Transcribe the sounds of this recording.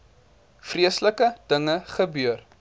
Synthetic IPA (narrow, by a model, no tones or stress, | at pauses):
friəsləkəd̥əŋəχəbər